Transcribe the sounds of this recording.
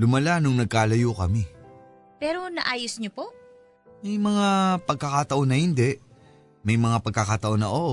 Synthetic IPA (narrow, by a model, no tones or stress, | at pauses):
lʊmɐlanʊŋnɐɡ̚kaːlɐjukɐmi | pɛːɾo̞nɐʔaːjosɲopo̞ʔ | mɐjmɐŋapɐɡ̚kɐkat̪ɐʔo̞nɐhɪnd̪ɛʔ | mɐjmɐŋapɐɡ̚kːakat̪ɐʔo̞nːɐʔo